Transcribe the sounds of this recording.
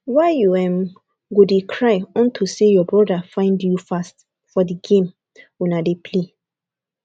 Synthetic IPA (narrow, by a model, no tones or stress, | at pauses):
waɪjuɛ̃m | ɡodekʰɹaɪɔ̃ntʰusejɔbɹɔdafãɪ̃ndjufast | fɔdiɡẽm | wɛ̃nadepʰle